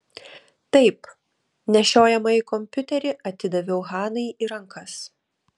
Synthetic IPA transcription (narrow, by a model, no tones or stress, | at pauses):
t̪ɐɪp | nʲɛʃʲoːjɛmɐikɔmʲpʲʊt̪ʲɛɾʲɪʔɐt̪ʲɪd̪ɐʋʲɛʊɣɑːnɐɪiːɾɐŋkʰɐs